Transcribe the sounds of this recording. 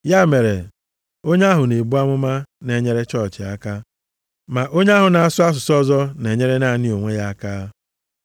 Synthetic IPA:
ja˦˨me˨ɾe˨ | o˦ɲ˦a˦ɦʊ˨ne˨bu˦a˦mʊ˦ma˦ne˨ɲe˦ɾe˦t͡ʃɔ˦t͡ʃɪ˨a˦ka˦ | ma˨ʔo˦ɲe˦a˦ɦʊ˨na˨a˨sʊ˦a˦s̬ʊ˨sɔ˦zɔ˦ne˨ɲe˦ɾe˦na˦˨nɪ˦o˨ŋʷe˦ja˦kaː˦

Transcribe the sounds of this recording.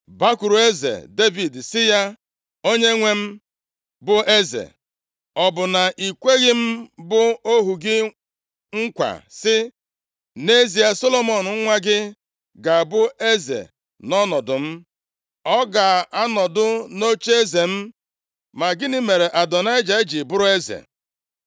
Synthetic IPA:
ba˦ku˨ɾu˨e˦zḛ˨de˦vi˨dsɪ˦ja˦ | o˦ɲe˦ŋʷe˦m̩˦ | bʊ˦ʔe˦zḛ˨ | ɔ˨bʊ˨na˨i˨kʷe˦ɣɪ˦m̩˦bʊ˦o˦ɦu˨ɡɪ˦ | ŋ̩˦kʷa̰˨sɪ˦ | ne˦zi˨a˦so˦lo˦mɔ˨nʊ˨ŋ̩˦ŋʷa˦ɡɪ˦ | ɡa˨bʊ˦e˦zḛ˨ | nɔ˦nɔ˨dʊ˨m̩˦ | ɔ˦ɡa˨a˦nɔ˨dʊ˦no˦t͡ʃe˦e˦ze˨m̩˦ | ma˨ɡɪ˦nɪ˦me˨ɾe˨ʔa˨dɔ˨na˦ɪ˦d͡ʒa˨ɪ˦d͡ʒi˨bʊ˦ɾʊ˦e˦zḛ˨

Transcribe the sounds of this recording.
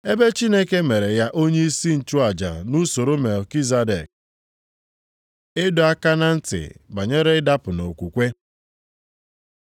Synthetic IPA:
e˦be˦t͡ʃi˦ne˦ke˦me˨ɾe˨ja˦ʔo˦ɲe˦i˦si˦n̩˨t͡ʃu˦a˨d͡ʒa̰˨nu˦so˨ɾo˦me˨lki˦za˦de˨k̚ | ɪ˦dʊ˨a˦ka˦na˦n̩˦tɪ̰˨ba˨ɲe˦ɾe˦ɪ˦da˦pʊ˨no˨kʷu˨kʷe˦

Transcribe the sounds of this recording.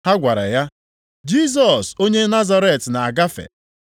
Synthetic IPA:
ha˦ɡʷa˨ɾa˨ja˦ | d͡ʒi˦˨s̬ɔ˨so˦ɲe˦na˦za˦ɾe˨tna˨a˨ɡa˦fḛ˨

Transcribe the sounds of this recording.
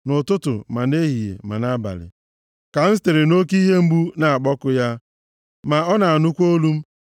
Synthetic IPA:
nʊ˨tʊ˦tʊ̰˨ma˨ne˦ɦi˨jḛ˨ma̰˨na˦ba̰˨lɪ̰˨ | ka˨n̩˦te˨ɾe˨no˦ki˦ɦe˦m̩˦bu˦na˨a˨k͡pɔ˦kʊ˦ja˦ | ma˨ɔ˦na˨a˨nʊ˦kʷo˦lu˦m̩˦

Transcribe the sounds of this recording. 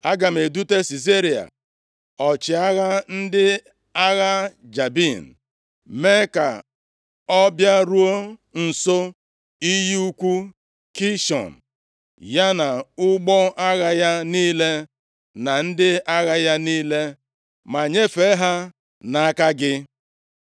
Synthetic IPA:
a˦ɡa˨m̩˨e˨du˦te˦si˨z̬e˦ɾi˨a̰˨ | ɔ˨t͡ʃɪ˨a˦ɣa˦n̩˦dɪ˦ | a˦ɣa˦d͡ʒa˨bi˦˨n̩˨ | me˦ka̰˨ | ɔ˦bja˦ɾu˦o˦n̩˨so˦ | i˦ji˦u˦kʷu˦ | ki˦ʃɔ̰˨n̩˨ | ja˦na˨ʊ˦ɡ͡bɔ˦a˦ɣa˦ja˦niː˦le˦ | na˨n̩˦dɪ˦a˦ɣa˦ja˦niː˦le˦ | ma˨ɲe˦fe˨˦ɦa˦ | na˨a˦ka˦ɡɪ˦

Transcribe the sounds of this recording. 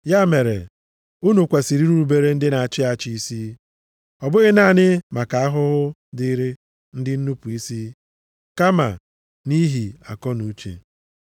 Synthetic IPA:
ja˦me˨ɾḛ˨ | u˦nu˨kʷa˨si˨ɾi˦ɾu˦ɾu˨be˦ɾe˦n̩˦dɪ˦na˨a˨t͡ʃɪ˦a˨t͡ʃɪ˦i˦si˦ | ɔ˨bʊ˦ɣɪ˦na˦˨nɪ˦ma˨ka˨a˦ɦʊ˦ɦʊ˦dɪ˦ɾe˦ | n̩˦dɪ˦n̩˦nu˦pu˨i˦si˦ | ka˦ma̰˨ | ni˦ɦi˨a̰˨kɔ˦nu˨˦t͡ʃḛ˨

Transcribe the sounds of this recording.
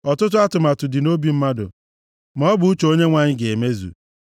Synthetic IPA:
ɔ˨tʊ˦tʊ˦a˦tʊ˨ma˨tʊ˨dɪ˨no˦bi˨m̩˦ma˦dʊ̰˨ | mɔ˦bʊ˨u˦t͡ʃe˨o˦ɲe˦ŋʷa˨ɲɪ˦ɡe˨me˦zṵ˨

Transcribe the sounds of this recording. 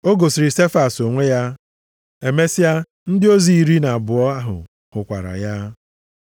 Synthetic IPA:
o˦ɡo˨si˨ɾɪ˨se˦fa˨so˨ŋʷe˦ja˦ | e˨me˦si˦a˦ | n̩˦dɪ˦o˦zi˨i˨ɾi˦na˨bʊ˨ɔ˦a˦ɦʊ̰˨ | hʊ˨kʷa̰˨ɾa̰˨ja˦

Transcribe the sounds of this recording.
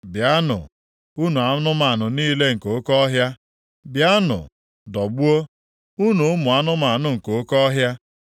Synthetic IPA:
bja˦nʊ̰˨ | u˦nu˨a˨˦nʊ˦ma˨a˨nʊ˨niː˦le˦ŋ̩˨ko˨˦kɔ˦ɦja˦ | bja˦nʊ̰˨ | dɔ˨ɡ͡bu˦o˦ | u˦nu˨ʊ˦mʊ˨a˦nʊ˦ma˨nʊ˨ŋ̩˨ko˨˦kɔ˦ɦja˦

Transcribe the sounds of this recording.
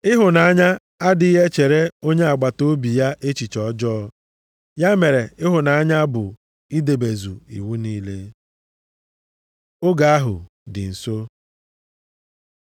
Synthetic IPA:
ɪ˦ɦʊ˨na˨a˦ɲa˦ | a˦dɪ˨i˦ɦe˦t͡ʃe˨ɾe˦o˦ɲe˦a˨ɡ͡ba˨to˦bi˨ja˦ʔe˦t͡ʃi˨t͡ʃɔ˦d͡ʒɔː˦ | ja˦me˨ɾe˨ɪ˦ɦʊ˨na˨a˦ɲa˦bʊ˨ | i˦de˨be˨zṵ˨ḭ˨wu˦niː˦le˦ | ʊ˦ɡa˨a˦ɦʊ̰˨ | dɪ̰˨n̩˨so˦

